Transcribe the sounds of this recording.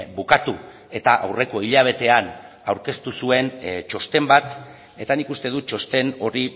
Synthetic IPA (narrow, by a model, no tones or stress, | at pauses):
bukat̪u | e̞t̪aʔawre̞ko̞iʎaβ̞e̞t̪e̞an | awɾke̞st̪usue̞nt͡ʃo̞st̪e̞mbat̪ | e̞t̪anikust̪e̞ðut͡ʃo̞st̪e̞no̞ɾi